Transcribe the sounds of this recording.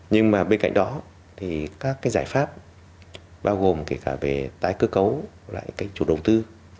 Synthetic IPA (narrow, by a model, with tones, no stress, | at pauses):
ɲɨ˧ŋmaː˨˩ɓe˧nka̰˧˨ŋ̟ɗɔ˨˦ | t̪ʰi˨˩kaː˦˥kːaː˨˦jzaː˧˩jfaː˦˥p̚ | ɓaː˧wɣo˨˩mke˧˩kaː˧˩ve˨˩t̪aː˨˦jkɨ˨˦kə˨˦w | la̰ː˧˨jkaː˨˦jt͡ɕu˧˩ɗə˨˩wt̪ɨ˧